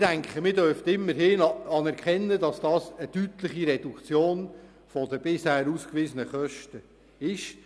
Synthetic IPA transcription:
d̥æŋkχəmɪdœrftɪmːəɾɦɪnɑnɛɾkχɛnːədɑsd̥ɑːsəd̥yt̪lɪχiɾɛd̥ukt͡sjoːn | fɔdəb̥ɪshæːɾuːskʋiːzənəχœʃtə | ɪʃ

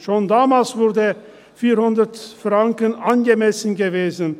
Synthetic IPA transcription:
ʃoːndaːmalsv̥ʊɾdə | fiːɾhʊndɐtfʁaŋkənanɡəmɛsən̩ɡəveːzən

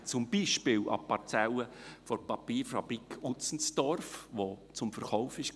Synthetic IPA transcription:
t͡sʊmbiːʃpɪːlɑ̰pɑɾt͡sɛləfɔɾpɑpiːɾfɑb̥ɾikʰʊt͡sn̩sd̥ɔrfʋot͡sʊmfəɾχɔʊfɪʃ

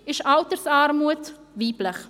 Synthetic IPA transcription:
ɪʃɑltəɾsɑːɾmuət | viːbləχ

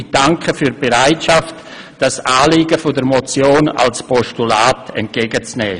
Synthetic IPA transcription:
d̥aŋkʰəfyːɾb̥eʁaɪtʃaft | d̥asaːliːɡəfodəɾmot͡sjoːna̰lspʰɔʃtulaːtɛ̰nt̚ɡ̥eɡət͡snɛ̰ː

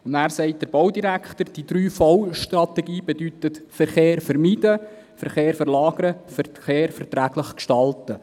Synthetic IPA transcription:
ʊndæːɾsɛɪt̚d̥̪əɾb̥ɔwdiɾækχt̪əɾd̥id̥̪ɾyːfɔwʃtɾɑt̪ɛɡiːbedyt̪ət̪fɛɾχeːɾfɛɾmidə | fəɾχeːɾfəɾlɑːɡəɾəfəɾχeːɾfɛɾtɾæːɡləχkʃtɑltə

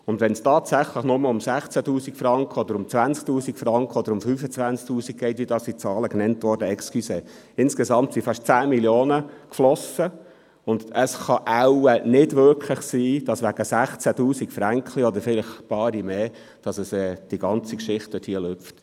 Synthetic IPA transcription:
ʊndʋɛnstɑːtsæχləχnʊməʊmsæχt͡sætuːsikfrɑŋkχəɔd̥̪əɾʊmt͡sʋænsk̚tuːsikfɾɑŋkχəɔd̥̪əɾʊmfyːfət͡sʋænsk̚tuːsik̚ɡ̥ɛɪtʋiədɑːsit͡sɑːləknɛntʋɔɾdəɛkskyse | ɪnskesɑmtsifɑʃtt͡sæːmiljoːnəkflɔsə | ʊndəsχɑʔæwənɪdʋʏɾkʰləχsiːd̥ɑsʋæɡ̥əsæχt͡sætuːsikfɾæŋkʰliɔd̪əɾfɪləχpɑːɾimeː | d̥ɑsəsɛːd̥iɡɑnt͡sikʃɪχtdøthiəløp͡ft

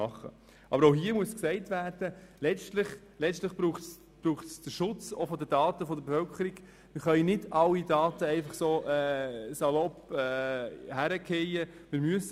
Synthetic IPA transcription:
ɑχːə̰ | ʔɑbəɾoʊɦiəmuəsksɛɪtʋærd̥əlɛt͡stlɪχ | lɛstlɪχb̥ɾuːχts | b̥ɾuːχtsd̥əɾʃʊt͡sofɔd̪ədɑːtəfɔd̪əɾbefœlkəɾiɡ̥ | mɪɾχœɪnɪdɑlːidɑːtəɛɪfɑχsoːʔɛːsɑlɔpɛːhæɾəkʰɛjəmɪɾmyəs

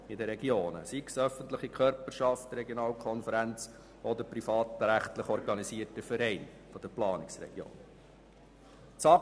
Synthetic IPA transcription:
ɪdəɾɛɡjoːnə̰siksœfəntləχikʰœɾpəɾʃɑftrɾɛɡjonɑːlkʰɔnfəɾænt͡s | ɔd̪əpɾifɑːt̪ɾæχtləχɔɾɡɑnisiətəfəɾɛɪn | fɔd̥əplɑːnɪksrɛ̰ɡ̥jo̰ːn | t͡sɑ

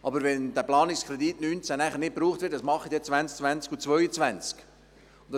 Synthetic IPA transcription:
ʔɑbəɾvɛnd̥æplɑːnɪkskɾɛditnyːnt͡sænæχəɾnɪt̚pɾuːχt̪vɪt̚d̥ɑsmɑχid̪et͡svænt͡skt͡svænt͡skut͡svœjət͡svænt͡sk | ʊndɑ

